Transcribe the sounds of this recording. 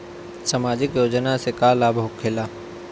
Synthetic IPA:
samaːd͡ʒɪkjoːd͡ʒnasekaːlaːbʱəʊɡkʰelaː

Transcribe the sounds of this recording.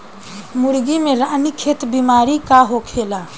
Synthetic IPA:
muɾɡimeɾanikʰet̪bimaɾikaɦokʰela

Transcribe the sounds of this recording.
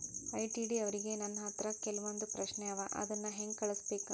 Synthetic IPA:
ɐjʈiːɖiɐʋɐɾiɡe̞nɐnːɐɦɐt̪ɾɐkɛlɐʋond̪upɾɐʃnɛɐʋɐʔɐ̰d̪ɐnːɐɦeŋɡkɐɭusbeːku

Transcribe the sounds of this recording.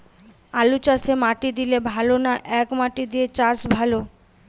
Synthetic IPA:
alut͡ɕaʃemaʈid̪ilebʱalonaʔɛkmaʈid̪iet͡ɕasbʱalo

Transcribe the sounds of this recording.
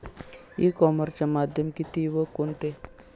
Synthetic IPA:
ḭkɔməɾt͡ɕamad̪ʱjəmkit̪iʋəkont̪e

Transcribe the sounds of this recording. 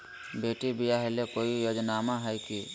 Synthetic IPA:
beːʈibijaɦelekoːijoːd͡ʒnaːmaɦəjki

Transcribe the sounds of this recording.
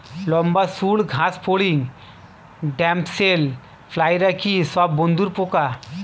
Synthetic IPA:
lɔmbasuːɭɡʱaspʰoɭiŋɡ | ɖɛ̃mpsel | flajɾakisabbɔnd̪uːɾpoka

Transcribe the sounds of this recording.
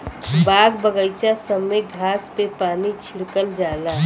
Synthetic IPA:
baːɡbəɡəjt͡ʃasəmeɡʱaːspepaːnit͡ʃʰɪɽkəld͡ʒaːlaː

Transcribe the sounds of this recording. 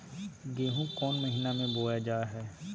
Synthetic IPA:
ɡ̪eːɦũkɔːnməɦiːnamẽboːjad͡ʒaːɦɛː

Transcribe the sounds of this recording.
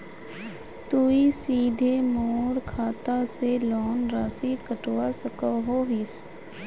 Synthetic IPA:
t̪uisiːd̪ʱemoːɾkʰaːt̪aselɔːnɾasikəʈwasəkəɦoːɦɪs

